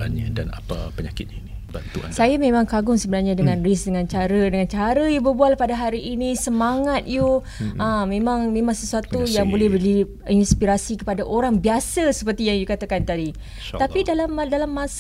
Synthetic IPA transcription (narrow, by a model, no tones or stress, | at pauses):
a̰nɲa̰da̰na̰pa̰pəɲakɪt̪̚ɲani | ba̰nṵa̰sajamẽmãŋkaɡʊŋsəbənarɲadəŋãnrisdəŋãnt͡ʃaɾədəŋant͡ʃaɾəjubərbualpadaɦaɾiʔːnisəmaŋat̪̚ju | əmẽmaŋmẽmãŋsəsuat̪ujaŋbolɛhbəli | inspiɾasikəpadaʔoɾaŋbiasasəpərt̪ijaŋjukat̪akant̪adi | apidalamːadalamːas